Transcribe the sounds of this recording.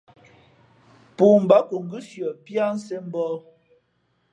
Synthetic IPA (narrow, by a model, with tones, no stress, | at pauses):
pu˨m̩˨ba˨˦ku˨ŋ̩˨ɡi˦sjɔ˨pja˦n̩˦se˦m̩˦bɔ˦